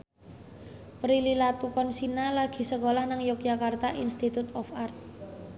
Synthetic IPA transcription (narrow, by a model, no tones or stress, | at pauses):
pɾililat̪ukɔnsinalaɡ̥i̤səkolahnaŋjɔk̚d͡ʒakart̪aʔinst̪it̪ut̪ɔfart̪̚